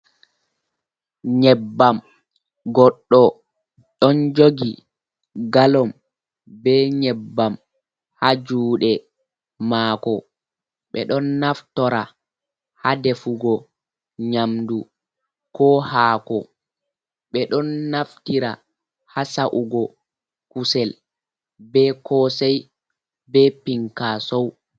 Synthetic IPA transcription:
ɲɛbːam | ɡɔɗːɔ | ɗɔnd͡ʒoɡi | ɡalɔm | bɛɲɛbːam | had͡ʒuːɗɛ | maːkɔ | ɓɛɗɔnːaftɔɾa | hadɛfuɡɔ | ɲamdu | kʰɔhaːkɔ̰ | ɓɛɗɔnːaftiɾa | hasaʔuɡɔ | kusɛl | bɛkɔsɛj | bɛpiŋkasɔw

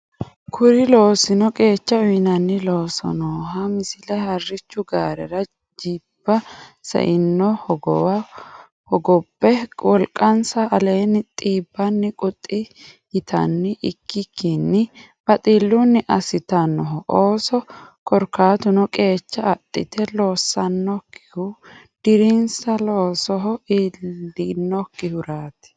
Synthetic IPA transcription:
kʰʊɾɪlo̞ːsɪnɔkʼe̞ːt͡ʃːɐʊjnɐnːɪloːsɔ̰noːɦɐmɪsɪlɐhɐrːɪt͡ʃːʊɡaːɾɛɾɐ | d͡ʒiːb̥ːɐsɐ̰ʔɪnːɔhɔɡɔw | hɔɡɔbːɛwɔlkʼːɐnsɐʔɐle̞ːnːɪt̪ʼiːbːɐnːɪkʼʊt̪ʼːɪ | jɪt̪ʰɐ̰nːɪʔɪkːɪkʰːinːɪ | b̥ɐt̪ʼiːlːunːɪʔɐsɪt̪ɐnːɔɦɔʔoːsɔkʰɔɾkːaːt̪ʊnɔkʼe̞ːt͡ʃːɐːt̪ʼːɪt̪ɛlo̞ːsːɐnːɔkːɪ̥hʊ | d̪̥ɪɾɪnsɐloːsɔɦɔiːɪnːɔkːɪhʊɾaːt̪ɪ̥

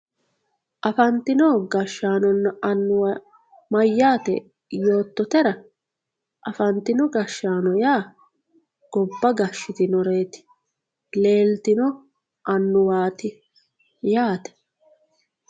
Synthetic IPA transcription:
ʔɐfɐnt̪ɪnɔɡɐʃːaːnɔnːɐɐnːʊwɐ | mɐjːaːt̪ɛ̰ | jo̞ːt̪ːɔt̪ɛɾɐ | ʔɐfɐnt̪ɪnɔɡɐʃːaːnɔjaː | ɡ̥ɔbːɐɡɐʃːɪt̪ɪnɔɾe̞ːt̪ɪ̥ | le̞ːlt̪ɪnɔ | ʔɐnːʊwaːt̪ɪ | jaːt̪ɛ̥

